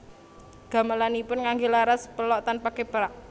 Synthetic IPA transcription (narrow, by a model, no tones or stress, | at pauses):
ɡ̥a̤malanipʊnŋaŋɡelaɾaspəlɔʔt̪anpakepəɾaʔ